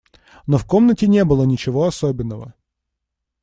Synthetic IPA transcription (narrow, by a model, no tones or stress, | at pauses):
nofkomnətʲɪnʲebɨlˠənʲɪt͡ɕɪvoɐsobʲɪnːəvə